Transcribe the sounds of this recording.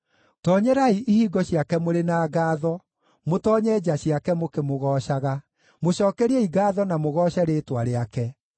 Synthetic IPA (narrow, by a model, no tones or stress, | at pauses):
tɔːɲɛɾaiʔihiːɡɔɕiakɛmoɾenaːɡaːðɔ | motɔːɲɛd͡ʑaɕiakɛmokemoɣɔːʃaɣa | moɕɔːkɛɾiɛiɡaːðɔnamoɣɔɕaɾeːtwaɾeakɛ